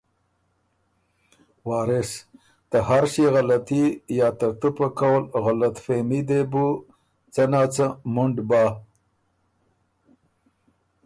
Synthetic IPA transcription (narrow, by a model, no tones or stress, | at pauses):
wɑːɾɪs | t̪əhaɾʃeɣalat̪ijɑːt̪ak̚t̪upakawəlɣalat̪femid̪ebu | t͡sanaːt͡səmʊɳɖbaː